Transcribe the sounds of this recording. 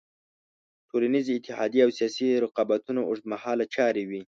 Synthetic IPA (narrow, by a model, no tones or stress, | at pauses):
ʈʰolaniziːt̪ːɪhɑ̰d̪jeawsijɑsiɾɪqɑbat̪unaʊʂd̪̚mahɑlat͡ʃɑɾewi